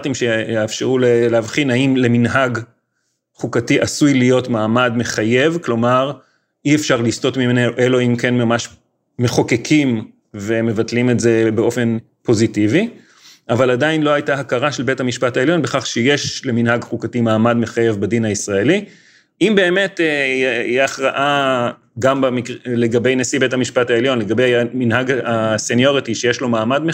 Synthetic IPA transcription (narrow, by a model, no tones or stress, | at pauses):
timʃeafʃeʁuleleːavχinhaimle̞minɦaɡ | χukatiʔasujlijo̞tmaːmadme̞χaje̞vklo̞maʁ | iefʃaʁlisto̞tmimeneʔelo̞imke̞nmamaʃ | me̞χo̞kekʰim | veme̞vatlime̞tze̞be̞o̞fe̞n | po̞zitivi | avaladainlo̞ajtaɦakaʁaʃe̞lbe̞thamiʃpataeljo̞nbeχaχʃejeʃleminɦaɡχukatimaːmadmeχajevbadinaisʁae̞li | imbe̞ːme̞te | aχʁaʔa | ɡambamikleɡabe̞jnesibethamiʃpatae̞ljo̞nle̞ɡabe̞jminɦaɡasenjo̞ʁitiʃejeʃlo̞maːmadme